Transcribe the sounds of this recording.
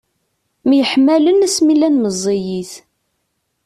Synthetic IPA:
mjəħmːælənæsmilænməzˤːijiθ

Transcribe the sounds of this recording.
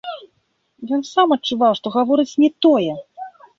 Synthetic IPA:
jɔnsamɐt͡ʂːuvawʂt̪ɔɣavɔɾɨt͡sʲnʲɛt̪ɔjɛ

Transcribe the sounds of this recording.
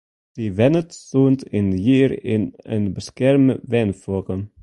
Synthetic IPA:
divɛnətsuːntɪnjiːɾɪnə̰nbəskɛɾməvɛnfɔkə

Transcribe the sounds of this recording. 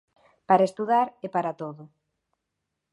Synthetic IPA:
paɾaest̪uðaɾepaɾat̪oðʊ

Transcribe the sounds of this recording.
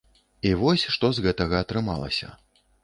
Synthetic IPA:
ivɔsʲʂt̪ɔzɣɛt̪ɐɣɐːt̪ɾɨma̰lˠɐ̰sʲɐ̰

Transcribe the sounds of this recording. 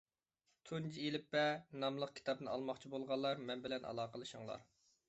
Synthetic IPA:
t̪ʰund͡ʒielɪpːɛnɑmlˠəq̚kʲʰi̥t̪ɑb̚nɨnɑ̰lˠmɑχt͡ʃʰibolˠʁɑlˠːɑɾmɛnbɪlɛnʔɑ̰lˠɑːqəlˠɨʃuŋlˠɑ̰ɾ

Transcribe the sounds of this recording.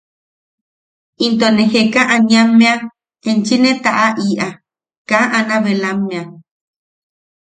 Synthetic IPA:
int̪onẽhekãʔaɲãmẽã | ẽnt͡ʃinẽt̪aʔaʔiʔa | kãʔãnãβelãmẽã

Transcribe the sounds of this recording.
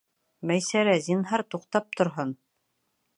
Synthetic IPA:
mæjsæɾæzinɦɑɾt̪uqt̪ɑp̚t̪ŏɾɦon

